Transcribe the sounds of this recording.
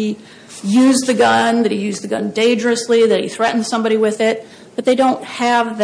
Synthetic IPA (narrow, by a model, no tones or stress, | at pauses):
i | jʉzðɨɡʌ̃nðɨt̚hijʉzðɨɡʌ̰̃ndẽɪ̃nd͡ʒə˞ɨsliðɨt̚iθɹɛʔn̩z̥sʌ̃mbɑɾiwɪðɪt̚ | b̥ʌt̪̚ðeɪdõʊ̃nt̚hɨvð